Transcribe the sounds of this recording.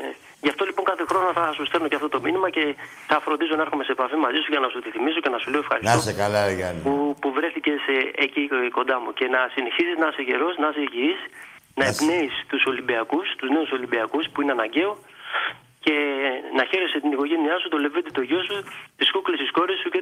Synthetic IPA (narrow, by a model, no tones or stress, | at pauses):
ʝɐft̪o̞lipo̞ŋkɐθe̞xɾo̞noθɐsust̪eɾnoceɐft̪ot̪o̞minimɐce̞ | θɐfɾond̪is̬o̞nɐeɾxome̞seepɐfimɐzisuʝɐnɐsut̪iθimiso̞ce̞nɐsuleoefxɐɾisosekɐlɐjɐupuvɾe̞θice̞seeciko̞nd̪ɐmuce̞nɐsine̞çisiznɐɐseʝe̞ɾo̞snɐɐseʝiis | nɐepne̞ist̪uso̞limbiɐkust̪uzne̞uso̞limbiɐkuspuineɐnɐɲɟe̞o̞ | ce̞nɐçe̞ɾeset̪iniko̞ʝe̞niɐsut̪o̞leved̪it̪o̞ʝo̞sut̪iskuklesisko̞ɾesuce